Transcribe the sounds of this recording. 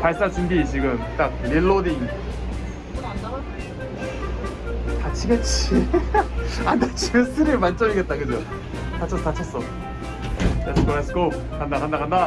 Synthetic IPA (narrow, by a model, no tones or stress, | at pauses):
paɭs͈ad͡ʑinɡit͡ɕiɡɯmt͈ak̚niɭːodiŋ | tat͡ɕʰiɡet͡ɕʰi | andat͡ɕʰus͈ɯɾemant͡ɕ͈ʌɾiɡe̞t̚t͈akɯd͡ʑo | tat͡ɕʰʌs͈ʌkat͡ɕʰas͈ʌ | esɯkoesɯkop̚ | kʰandakandakʰanda